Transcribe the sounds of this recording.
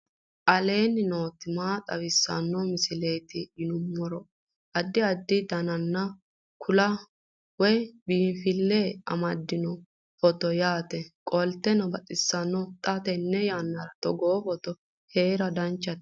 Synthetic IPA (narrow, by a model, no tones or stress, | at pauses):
ʔɐle̞ːnɪno̞ːt̪ːɪmaːt̪ʼɐ̰wɪsːɐ̰nːɔmɪsɪleːt̪ɪɪnʊmːɔɾɔ | ʔɐd̪ːɪɐd̪ːɪd̪ɐnɐnːɐ | kʰʊlɐ | wɔjbiːmfɪlːeɐ̰mɐd̪ːɪnɔ | fɔt̪ɔjaːt̪ɛkʼɔlt̪ːɛnɔbɐt̪ʼɪsːɐnːɔt̪ʼɐt̪ɛnːɛjaːnːɐɾɐt̪ɔɡoːfɔt̪ɔ | heːɾɐd̪ɐnt͡ʃːɐt̪